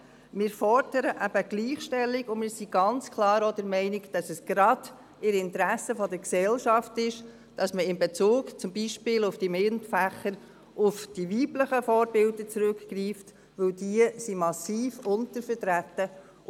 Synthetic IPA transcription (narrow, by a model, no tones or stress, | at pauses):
mɪːɾfɔɾd̥əɾəʔæb̥əɡ̥liːχʃtɛlːɪɡʊmɪːɾsiɡ̥ɑnt͡skʰlɑːɾodɛɾmɛɪnɪkd̥ɑsəsɡ̥ɾɑd̥ | ɪɾɪntɾæsəfɔdəɾksɛlʃɑftɪʃ | d̥ɑsməɪmbɛt͡suːkt͡sʊmbiʃpɪːlʊfd̥imɪntfæχəɾ | ʔʊfd̥iviːbləχəfɔːɾbɪldət͡sɾɵkkriːft | ʋɵwdiəsimɑsiːfʊntəɾfəɾtɾæt̪ːə